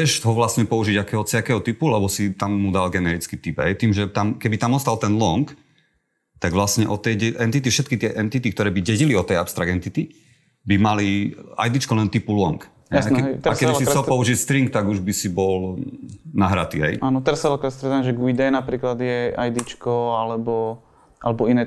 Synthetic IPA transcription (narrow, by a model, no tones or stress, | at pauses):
t͡sɛʒɦɔʋlasɲɛpɔuʒiɟakɛːɦɔt͡sakɛːɦɔt̪ipulɛbɔsit̪amːud̪alɡɛnɛɾit͡skit̪ipɦɛjt̪iːmʒɛt̪amkɛbit̪amɔst̪alt̪ɛnlɔŋk | t̪aɡʋlasɲɛʔɔt̪ɛjɟɛʔɛnt̪it̪ifʃɛt̪kit̪ɪɛʔɛnt̪it̪ik̚t̪ɔɾɛːbiɟɛɟiliɔt̪ɛjapst̪ɾaɡɛnt̪it̪i | bimalia̰jd̪it͡ʃkɔlɛnt̪ipulɔŋk | ɦɛjaɛɾakɛisiɾsɔpɔuʒilst̪ɾiŋkt̪aɡuʒbisibɔl | naɦɾat̪ḭːɦɛ̰jaːnɔt̪ɛɾsalakɾɛst̪ɾɛt̪anʒɛɡuid̪ɛjnapɾiːklad̪jɛajd̪it͡ʃkɔalɛbɔ | ʔalɛbɔinɛ